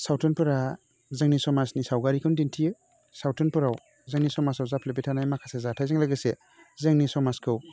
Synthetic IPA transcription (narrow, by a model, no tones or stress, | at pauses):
sawtʰɯnpɯɾa | zɯŋnisɔmasnisawɡaɾikʰɯndintʰijɯ | sawtʰɯnpɯɾaw | zɯŋnisɔmasawzapʰlebitʰanajmakʰasezatʰajzɯŋlaɡɯse | zɯŋnisɔmaskʰɯw